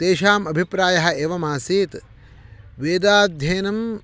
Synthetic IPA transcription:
t̪eːʃaːmɐbʱipɾaːjɐɦɐ̆eːʋɐmaːsiːt̪ | ʋeːd̪aːd̪ʱjeːnɐm

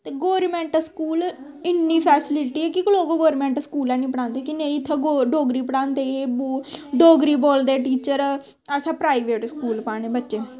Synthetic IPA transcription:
t̪eːɡoːɾmɛ̃ːɳʈəskuːl | ɪnːiːpʰɛːsɪlɪʈiːɛːkɪkloːɡoɡoːɾmɛ̃ːɳʈskuːlɛːnĩːpəɽãːnd̪eːkɪnẽːĩt̪ʰːaːɡoɖoːɡɾiːpəɽãːnd̪eːboɖoːɡɾiːboːld̪eːʈiːt͡ʃəɾ | əsãːpɾaːiʋeːʈskuːlpaːñeːbətːʃeː

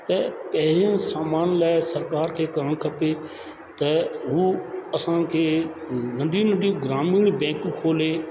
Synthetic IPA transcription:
t̪ɐpɐɦɪɾijə̃saːmaːnlaːɪsɐɾkaːɾkʰeːkɐɾəɽ̃kʰɐpe | t̪ɐɦuɐsãkʰeː | ɡɐ̃ɳɖʱĩnə̃ɳɖiũɡɾaːmiːɽ̃bɛ̃ːkũkʰoːleː

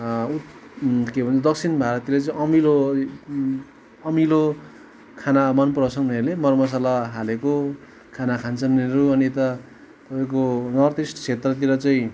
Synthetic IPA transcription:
u | kebʱʌnt͡sʌd̪ʌkt͡sʰinbʱaɾʌt̪ilet͡sʌĩʌmilo | ʌmilo | kʰanamʌnprʌsʌŋnelemʌrmʌs̬alaɦaleko | kʰanakʰant͡sʌnːeɾuʌnit̪ʌ | t̪ʌpaĩkonʌrd̪isʈt͡sʰet̪rʌt̪̬iɾʌt͡sʌĩ

